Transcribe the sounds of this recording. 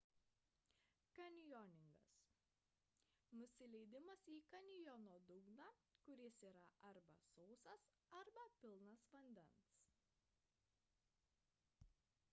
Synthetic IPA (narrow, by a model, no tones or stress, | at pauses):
kɐnʲɪjɔnʲɪŋɡɐ̰s | nʊsʲɪlʲɛɪd̪ʲɪmɐsiːkɐnʲɪjɔnoːd̪ʊɡnɑkʊɾʲɪsiːɾɐʔɐɾbɐ̰sɔʊsɐs | ɐɾbɐpʲɪlˠnɐsʋɐnʲd̪ʲɛns